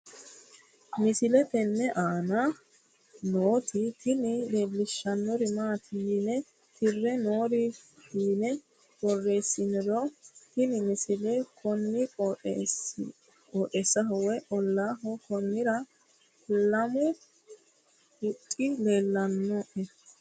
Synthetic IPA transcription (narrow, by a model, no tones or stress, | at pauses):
mɪsɪlɛt̪ɛnːɛʔaːnɐ | noːt̪ɪt̪ɪnɪle̞ːlːɪʃːɐnːɔɾɪmaːt̪ʰinɛ | t̪ɪrːɛnoːɾɪiːnɛ | wɔrːe̞ːsːɪnɪɾɔt̪ɪnɪmɪsɪlɛkʰɔnːɪɔ | kʼoːʔɛsɐɦɔwɛʔɔlːaːɦɔkɔnːɪɾɐ | lɐmʊ | hʊtʼːɪleːlːɐnːɔʔɛ